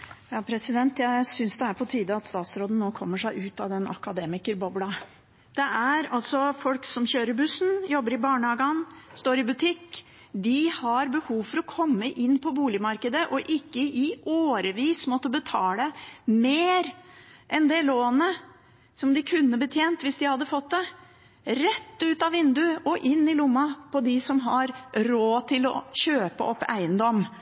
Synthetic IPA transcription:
jɑːpʰɾɛsɪd̪ɛnt̪jæɪsʏnsd̪ɛæɾpʰɔt̪ʰiːd̪əɑt̪st̪ɑːt̪sɾoːd̪n̩noːkʰɔmːəʂæɪʉːt̪ɑd̪ɛnɑ̰kɑd̪eːmɪkəɾbɔblɑ | d̪̥ɛʔæɾɑlsɔfɔlksɔmçøːɾəɾbʉsn̩jɔbːəɾɪbɑːɳəɑɡɑnst̪oːɾɪbʉt̪ʰɪkː | d̪ɪhɑɾbəhuːʋfɔɾɔkʰɔmːəʔɪnːpʰɔbuːlɪmɑɾkəd̪əʔɔʔɪkːəʔɪʔoːɾəʋiːsmɔt̪ːəbət̪ʰɑːləmeːɾʔɛnd̪ɛloːnə | sɔmd̪ɪkʰʉnːəbət̪ʰjeːnt̪ʋɪsd̪ɪhɑd̪ːəfɔt̪̚d̪ɛ | ɾɛt̪ːʉːt̪ɑʋɪnd̪ʉɔʔɪnːɪlʊmːɑpʰɔd̪ɪsɔmɦɑɾɾoːt̪ʰɪlɔ̰ɕøːpə̰ɔpːæ̰ɪənd̪ɔm

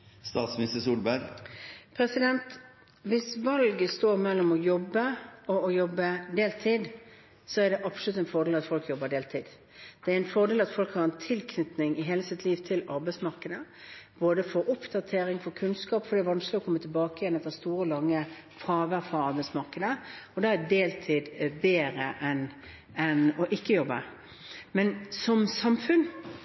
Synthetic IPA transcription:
st̪ɑːt̪smɪnɪst̪əsuːlbæɾpʰɾɛsɪd̪ɛnt̪ | ʋɪsʋɑlɡəst̪oːɾmɛlːɔmɔjɔbːəɔɔjɔbːəd̪eːlt̪ʰiːd̪ | sɔæʁɖ̪ɛʔɑpsɔlʉt̪ɛnfɔʁd̪eːlɑt̪fɔlkjɔbːəɖ̪eːlt̪ʰiːd̪ | d̪̥ɛæɾɛnfɔʁd̪eːlɑt̪fɔlkhɑːʁɛnt̪ʰɪlkʰnʏt̪nɪŋɪɦeːləsɪt̪ʰliːʋt̪ʰɪlɑɾbɛɪsmɑʁkəd̪ə | b̥oːd̪əfɔɾʊpd̪ɑt̪ʰeːɾɪŋfɔkʰʉnskɑːpfɔɾɖ̪ɛæɾʋɑnsklɪɔkʰɔmːət̪ʰɪlbɑːkəɪjɛnɛft̪ːəst̪uːɾəɔlɑŋːəfʰɾɑːʋəɾfʁɑɑɾbæɪsmɑʁkəd̪əɔd̪ɑːæd̪eːlt̪ʰiːd̪beːɾəʔɛn | ɛnɔʔɪkːəjɔbːə | mɛnsɔmsɑmfʉn

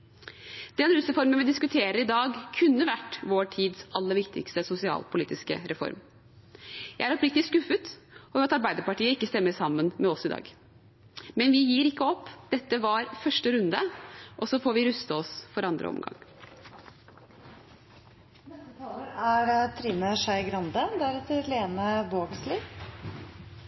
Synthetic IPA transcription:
d̪̥ɛnɾʉsɾɛfɔɾmənʋɪd̪ɪskʉt̪ʰeːɾəɾɪd̪ɑːɡkʰʉnːəʋæʈːʋoːʈʰiːd̪sʔɑlːəɾʋɪkt̪ʰɪ̰kst̪əsʊsɪɑ̰ːlpʰʊliːt̪ɪskə̰ɾɛfɔ̰ɾm | jæɪæɾɔpɾɪk̚t̪lɪskʉfːət̪ɔɾɑt̪ɑɾbæɪd̪əɾpɑʈiːəɪkːəst̪ɛmːəɾsɑmːənmɛɔsɪd̪ɑ̰ːɡ | mɛnʋɪjiːɾɪkːəɔpːd̪̥ɛt̪ːəʋɑɾfœʂʈəɾʉnd̪əʔɔsɔfoːɾʋɪɾʉst̪əɔsfɔɾɑnd̪ɾə̰ɔ̰mɡɑ̰ŋː | mɛt̪ʰɑːləɾæɾt̪ʰɾiːnəʂæɪɡɾɑnd̪əd̪æɾɛt̪əɾleːnəboːɡslɪː

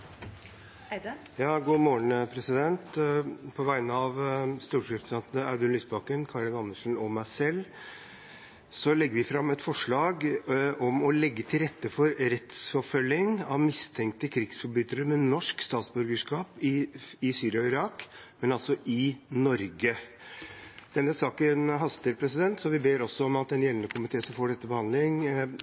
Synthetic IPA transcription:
jɑːɡuːmoːɳpʰɾɛsɪd̪ɛnt̪pʰɔʋæɪnəɑʋst̪uːɾkʰɾɛpsɛnt̪nɑʉd̪ʉnlʏsbɑkənkʰɑɭɪnɑnːəʂn̩ɔmæɪsɛlː | sɔlɛɡːəɾʋɪfɾɑmːɛt̪fɔʂɭɑːɡɔmɔlɛɡːət̪ʰɪlɾɛt̪ːəfɔɾɾɛt̪sfɔfœlːɪŋɑʋmɪst̪ʰɛŋk̚t̪əkʰɾɪɡsfɔɾbʏt̪əɾəmɛnɔʂkst̪ɑːt̪sbʉɾɡəʂkɑːpɪɪsyːɾɪɑɔɪɾɑːkmɛnɑlsɔʔɪnɔɾɡə | d̪̥ɛnːəsɑːkənɦɑst̪əɾpʰɾɛsɪd̪ɛnt̪sɔʋɪbeːɾɔsːɔɔmɑt̪̚d̪ɛnjɛlnəkʰʊmɪt̪ʰeːsɔmfoːɖɛt̪ːəbəhɑnd̪lɪŋ

